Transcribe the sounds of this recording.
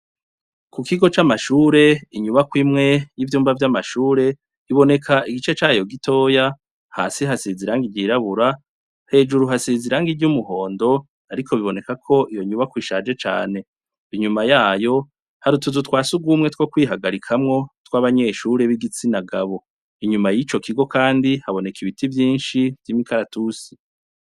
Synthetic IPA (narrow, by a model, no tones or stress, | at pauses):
kukiɡo̞t͡ʃamaʃuːɾe̞iɲuβakwiːmŋe̞jivjuːmvavjamaʃuːɾe̞ | iβo̞ne̞kʰaiɡit͡ʃe̞t͡ʃaːjo̞ɡitʰo̞ːja | ha̰ːsiɦasiziɾaːŋɡiɾɟiɾaβuɾa | he̞ːd͡ʒuɾuɦasiziɾaːŋɡiɟumuɦo̞ːndo̞ | aɾikʰo̞βiβo̞ne̞kakʰo̞ʔijoɲuβakwiːʃad͡ʒe̞t͡ʃa̰ːne̞ | iɲumajaːjo̞ | haɾutuzutkwaːsuɡuːmŋe̞twokwiːɦaɡaɾikʰamŋo̞twaβaɲe̞ːʃuɾeβiɡit͡sinaɡaβo̞ | iɲumajit͡ʃo̞kʰiɡo̞kaːndihaβo̞ne̞kiβitivjiːnʃivjimikaɾatusi̥